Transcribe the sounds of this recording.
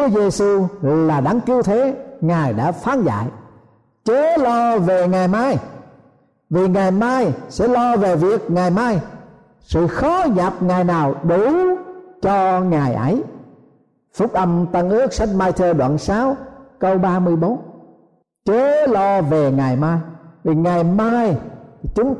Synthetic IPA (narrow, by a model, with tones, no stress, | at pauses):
u˨˦əze˧su˧ɣ̰laː˨˩ɗa˨˦ŋki˧əwt̪ʰe˨˦ŋaː˨˩jɗa̰ː˧˥faː˨˦nza̰ː˧˨j | t͡ɕe˨˦˥lɔ˧ve˨˩ŋaː˨˩jmaː˧j | vi˨˩ŋa˨˩jmaː˧jsɛ̰˧˥lɔ˧ve˨˩vi˨˩ək̚ŋaː˨˩jmaː˧j | sɨ̰˧˨xɔ˨˦ɲaː˨˩p̚ŋaː˨˩jnaː˨˩wɗu˧˩˦t͡ɕɔ˧ŋaː˨˩jʔə˨˦j | fʊ˦˥k͡p̚ʔə˧mt̪ə˧˩nʔɨ˦˥ək̚sa˧jŋ̟maː˧jt̪ʰəː˧ɗwa̰ː˧˨nsaː˨˦wkə˧wɓaː˧mɨ˧əjɓo˨˦n | t͡ɕe˨˦lɔ˧ve˨˩ŋaː˨˩jmaː˧jvi˨˩ŋa˨˩jmaː˧jtʰi˨˩t͡ɕʊ˨˦ŋ͡m